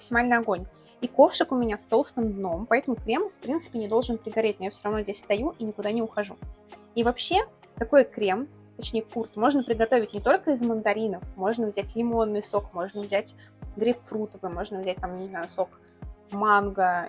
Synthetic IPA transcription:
məksʲɪmalʲnɨjɐɡo̞nʲ | iko̞fʂɨkʊmʲɪnʲast̪o̞lˠsk̪ɨmd̪no̞mpɐɛt̪əmʊkɾʲe̞mfpɾʲint̪sɨ̥pʲɪnʲɪd̪o̞lˠʐɨnpɾʲɪɡɐɾʲet̚ʲnojafsʲoɾɐvno̞zʲdʲesʲst̪ɐjuʔinʲɪkʊd̪anʲɪʊxɐʐu | ivɐpɕːe̞ | t̪ɐko̞jkɾʲe̞m | t̪ɐt͡ɕnʲejəkurt̪mo̞ʐnəpɾʲɪd̪ɡɐt̪o̞vʲɪt̚ʲnʲɪt̪o̞lʲkəɪzmənd̪ɐɾʲinəfmo̞ʐnəvzʲætʲlʲɪmo̞nːɨjso̞kmo̞ʐnəvzʲætʲ | ɡɾʲɪpfɾut̪əvɨmo̞ʐnəvzʲæt̚ʲt̪amnʲɪznajʊso̞k | manɡə

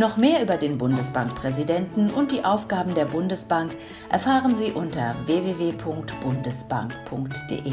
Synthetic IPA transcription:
nɔχmeːɐʔyːbɐdeːnbʊndəsb̥aŋkpʁ̥ɛzidɛntn̩ʊnt̚d̥iːʔaʊfɡ̥aːbm̩deːɐbʊndəsb̥aŋk | ʔɛɐfaːʁənziːʔʊntɐveːveːveːpʰʊŋktb̥ʊndəsb̥a̰ŋkpʰʊŋktd̥ḛːʔeː

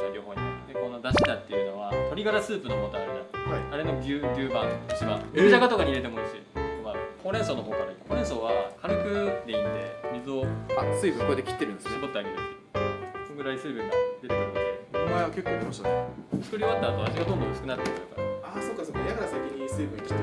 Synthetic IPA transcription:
oɾʲo̞ːɦo̞ːɲ̟iad̪eko̞no̞d̪aɕid̪at̪ːe̞jiɯ̟no̞βat̪o̞ɾʲiɡaɾasɨːpɯ̟nomoːt̪ameɾanathaiaɾe̞no̞ɡʲɯːɡʲɯːbãŋaɕika̰id̪aɡat̪o̞kaɲiɾe̞t̪̬e̞moɯ̟ɕiomakʰoɾẽ̞ɰ̃so̞ːnoɦo̞ːkaɾaikʰoːɾẽ̞ɰ̃so̞ːβakʰaɾɯkɯ̟d̪eit̪t̪e̞̰mʲizɨo̞asɨːbɯkoed̪ekʲi̥t̪ːeɾɯ̟nd̪esskot̪ːeaɡeɾɯɕi | soɡɯ̟ɾaisɨːbɯ̟ŋɡad̪e̞t̪eemod̪eomaeβakʲe̞kːot̪emaɕitaet͡sɨ̥kɯ̟ɾʲioβat̪ːaːt̪o̞aʑiɡad̪ond̪õsɨ̥kɯ̟nat̪ːekɯɾɯ̟ka̰ɾa̰aːso̞ːkːaso̞ːkːad̪akaɾasakʲĩɲ̟ːisɨːpɯikʲt̪ː

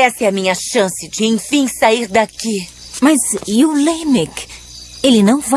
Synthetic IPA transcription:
ɛsɪɛɐmĩɲɐʃɐ̃sɪd͡ʒɪẽj̃fĩj̃saiɾd̪aki | mɐzewlẽmɛk | elɪnɐ̃w̃va

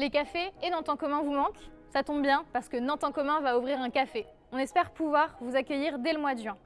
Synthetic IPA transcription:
lekafeenɑ̃t̪ɑ̃kɔmɛ̃vumɑ̃k | sat̪ɔ̃bbjɛ̃paʁsə̥kənɑ̃t̪ɑ̃kɔmɛ̃vauvʁiʁɛ̃kafe | ɔ̃nɛspɛʁpuvwaʁvuzakʲəjiʁd̪ɛləmwad̪ʒɥɛ̃

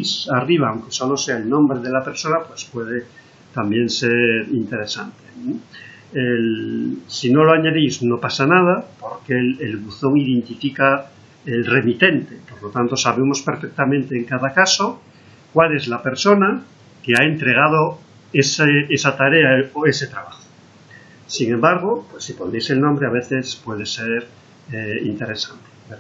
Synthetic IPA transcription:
sariβ̞aːwŋke̞so̞lo̞se̞aelnõ̞mbɾe̞ð̞elape̞ɾso̞napwe̞spwe̞ð̞e̞ | t̪ambje̞nseɾint̪e̞ɾesant̪e | elsino̞loaɲaðijzno̞pasanað̞apo̞ɾkelelɣuθo̞ŋið̞e̞nt̪ifika | elre̞mit̪e̞nt̪epoɾlot̪ant̪osaβe̞mo̞spe̞ɾfek̚t̪amẽnt̪eːŋkaðakaso | kwale̞zlape̞ɾso̞na | keaent̪ɾe̞ɣ̞að̞o | eseesat̪aɾeaoese̞t̪ɾaβaxo̥ | siŋẽmbaɾɣ̞opwesːipo̞nd̪ejselnõmbɾeaβe̞θespwe̞ð̞eseɾ | eḭnt̪e̞ɾe̞sant̪e̥

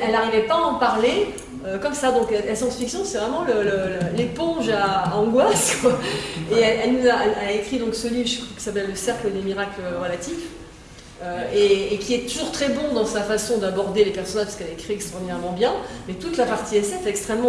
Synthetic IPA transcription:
ɛlaʁivɛpaɑ̃paʁle | økɔmsad̪ɔ̃klalasjɑ̃sfiksjɔ̃sɛvʁɛmɑ̃lələlepɔ̃ʒaːɑ̃ɡwaskwaeɛɛlnuzaʔɛalaekχid̪ɔ̃ksəlivʁʒəkwaki̥sapɛlːəsɛʁkləd̪emiʁakləʁəlat̪if | øeːkʲʰiɛt̪uʒuʁt̪χɛbɔ̃d̪ɑ̃safasɔ̃d̪abɔʁd̪elepɛʁsɔnaʒpaskɛlaekχiɛkst̪χɔʁd̪inɛʁmɑ̃bjɛ̃mɛt̪ut̪lapaʁt̪iɛsɛfɛɛkst̪χɛmːɑ̃

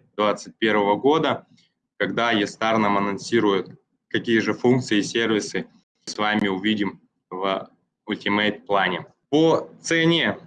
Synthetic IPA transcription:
d̪vat̪sɨt̚ʲpʲe̞ɾvəvəɡo̞d̪ə | kɐɡd̪ajɪst̪arnəmɐnɐnsʲiɾʊjʊt̪ | kɐkʲijəʐɨfunk̚t̪sɨɪsʲervʲɪsɨ | svamʲɪʊvʲidʲɪm | v | ʊlʲtʲɪmet̪plˠanʲɪ | pot̪sɛnʲe

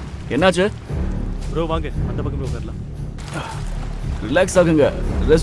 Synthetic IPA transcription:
ɛnːaːt͡ʃːɯ | bɾoːʋãːŋɡeɐnd̪ɐpaːkːɐmbɾoːʋkaːɾlãː | ɾɪlaːksaːkɯŋɡɐɾɛs

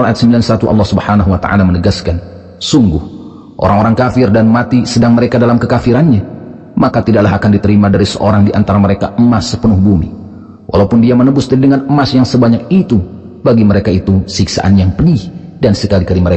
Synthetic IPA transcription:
alajat̪səmbilansat̪uʔɑ̰lːɑhsubəhanaɦuwat̪a̰ʔa̰lamənəɡaskan | suŋɡʊh | ʔo̰ɾaŋoɾaŋkafɪrdanmat̪isədaŋməɾekadalamkəkafiɾanɲa | makat̪idaʔlaɦakandit̪əɾimadaɾisəʔoɾaŋdiʔa̰nt̪aɾaməɾeka̰əmasːə̥pənʊhbumḭ | wʔa̰lawpʊndiamənəbʊsd̪iidəŋanəmːasjaŋsəbaɲak̚it̪u | baɡiməɾekait̪usiksa̰ʔanjaŋpədihdansəkalikaliməɾek

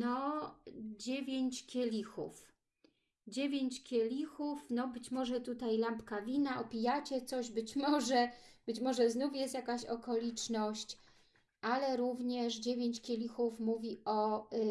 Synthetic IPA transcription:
nɔ | d͡ʑevʲjeɲt͡ɕkʲɛlʲixṵf | d͡ʑevʲjeɲt͡ɕkʲɛlʲixufnɔbɘt͡ɕmɔʐɛt̪ut̪ajlampkavʲinaʔɔpʲijat͡ɕɛt̪sɔʑbɘt͡ɕmɔʐɛb̥ɘt͡ɕmɔʐɛznufjɛst̪jakaɕɔkɔlʲit͡ʂnɔɕt͡ɕ | alɛɾuvɲɛʂd͡ʑevʲeɲt͡ɕkʲelʲixufmuvʲiɔ

